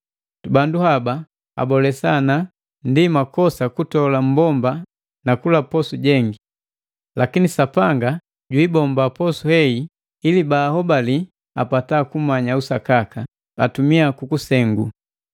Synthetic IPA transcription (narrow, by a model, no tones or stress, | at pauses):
banduhaba | a̰bɔlɛsana | ndimakɔsakutɔlam̩bɔmba | nakulapɔsuɟɛŋɡi | lakinisapaŋɡa | ɟwibɔmbapɔsuhɛi | ilibaːhɔbali | apatakumaɲausakaka | a̰tumiakukusɛŋɡṵ